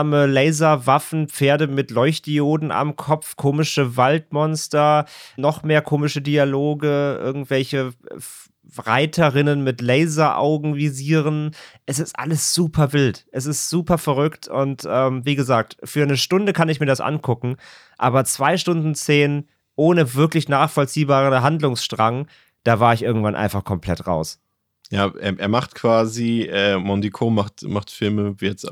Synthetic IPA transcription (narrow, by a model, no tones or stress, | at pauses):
məlɛɪzɐvafn̩p͡feːɐdəmɪtlɔʏçt̚d̥ioːdn̩ʔa̰mkʰɔp͡fkʰoːmɪʃəvaltmɔnstɐnɔχmeːɐkʰoːmɪʃədialoːɡəʔɪ̰ɐɡŋ̩tv̥ɛlçə | ʁa̰ɪtʰəʁɪnənmɪtlɛɪzɐʔa̰ʊɡŋ̩viziːʁənʔɛsɪstʔa̰ləsz̥uːpʰɐvɪltʔɛs̬ɪstz̥uːpɐfɛʁʏktʰʊntʔɛːmviːɡəzaːk̚tfyːɐnəʃtʊndəkʰanɪçmiːɐdasʔa̰nkʰʊkŋ̩ | ʔa̰ːbɐt͡sv̥aɪʃtʊndn̩t͡seːn | ʔoːnəvɪɐklɪçnaːχfɔlt͡siːbaːʁənɦandlʊŋsʃtʁ̥aŋ | d̥aːvaːɐɪçʔɪɐɡŋ̩tv̥anʔa̰ɪnfaχkʰɔmpl̥ɛtʁa̰ʊs | jaːʔḛːɐʔḛːɐmaχtkv̥aːziʔɛːmɔndikʰoːmaχtmaχtfɪlməvijɛt͡s